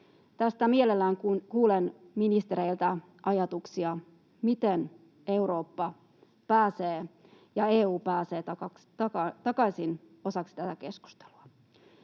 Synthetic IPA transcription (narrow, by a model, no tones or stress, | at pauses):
t̪æst̪æmie̞lelːæːŋkkuːlenminist̪eɾeilt̪æ | ʔɑjɑt̪uksiɑ | mit̪en | e̞uɾo̞ːpːɑ | pæːseː | jɑeːuːpæːseːt̪ɑkɑt̪ɑkɑt̪ɑkɑjsin | o̞sɑksi̥t̪æt̪æke̞sku̥st̪e̥luɑ